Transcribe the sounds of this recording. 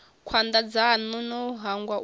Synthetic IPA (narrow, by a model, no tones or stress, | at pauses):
kʰwand̪ad͡zanunɔɦaŋɡwa